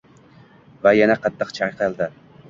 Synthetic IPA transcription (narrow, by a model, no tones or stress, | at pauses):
vajanaqʰɑt̪ʰːɨqt͡ʃʰajqʰɨlˠd̪ɪ